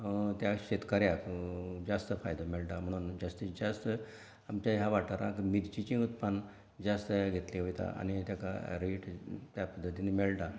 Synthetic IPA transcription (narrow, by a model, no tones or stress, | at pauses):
t̪jaɕet̪kaɾjakd͡zast̪əfajd̪əmelʈam̤əɽ̃uːnd͡zast̪id͡zast̪ə | amt͡ɕjaɦãʋaʈaɾãkmid̪t͡ɕit͡ɕĩut̪pan | d͡zast̪əjaɡʱet̪leɦojt̪a̰ʔa̰ñit̪jaka̰ɾiʈt̪japəd̪ʱːət̪inemelʈa